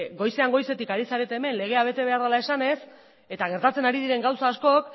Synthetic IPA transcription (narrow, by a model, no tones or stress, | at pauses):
ɡo̞jse̞aŋɡo̞jse̞t̪ikaɾisaɾet̪e̞ːme̞nle̞ɣ̞e̞aβ̞e̞t̪e̞β̞e̞aɾðalae̞sane̞s | e̞t̪aɣ̞e̞ɾt̪at͡se̞naɾiðiɾe̞ŋɡawsaːsko̞k